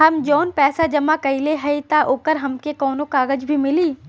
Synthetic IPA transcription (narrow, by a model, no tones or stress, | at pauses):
ɦɐmd͡ʒɔːnpɛːsad͡ʒɐmakɐileɦɐit̪aʔoːkəɾɦɐmkekɔːnõkaːɡəd͡ʒbʱimɪliː